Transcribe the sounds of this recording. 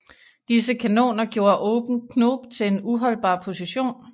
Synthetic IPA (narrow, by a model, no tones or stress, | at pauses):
d̥is̬əkʰæno̝̰ːnɐɡ̥jo̝ːɐʔɔ̽ːb̥n̩kʰno̰ːb̥t͡sʰe̝le̝nuɦɒ̽l̰b̥ɑ̰̈ːpʰo̝siɕo̝̰ːn